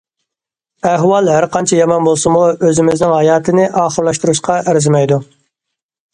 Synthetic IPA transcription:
æɦwɑlˠɦæɾqʰɑnt͡ʃʰɛjɑmɑnbolˠsɨmuøzɪmɪznɪŋhɑjɑːt̪ʰɨnɪʔɑːχəɾlˠɑʃt̪uɾuʃqɑʔæɾɪzɪmɛjd̪u

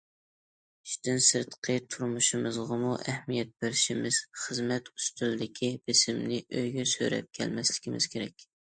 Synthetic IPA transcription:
i̥ʃt̪ɪnsɨɾt̪qʰət̪ʰuɾmuʃɨmɨzʁɑmuʔæhmijɛt̪̚bɪɾɪʃimɪz̥χəzmɛt̪u̥st̪yld̪ɪkʲʰib̥ɪsɪmnɪʔøjɡʲɛsø̰ɾɛ̰p̚kʲʰɛ̰lmɛslɪ̥kʲimɪ̰z̥kʲʰeɾɛkʲ

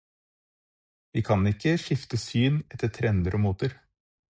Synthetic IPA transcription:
ʋiːkʰɑnɪkəʃɪft̪əsyːnɛt̪ːət̪ʰɾɛnd̪əɾʔoːmuːt̪əɾ

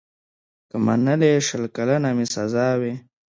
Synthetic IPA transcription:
kəma̰nəleʂəlkalanamisazaːwe

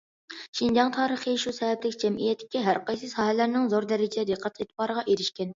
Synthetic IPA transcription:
ʃind͡ʒɑŋt̪ʰɑːɾəχiʃusɛvɛplɪkʲd͡ʒɛmʔijɛt̪ʰːɪ̥kʲɛɦæɾqɑjsɨsɑːɦɛlæɾnɪŋzoɾd̪ɛɾɪd͡ʒɪd̪ɛd̪eqʰɑt̪ʰet̪ʰɪbɑːɾəʁɑʔeɾɪʃkʲɛn

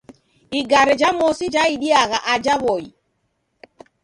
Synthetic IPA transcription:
iɡaɾɛd͡ʒamɔsid͡ʒaiɗiaɣaʔad͡ʒaβɔi

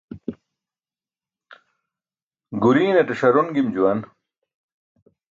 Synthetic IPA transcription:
ɡuɾiːneʈeɕɐɾunɡimd͡ʑuwɐn

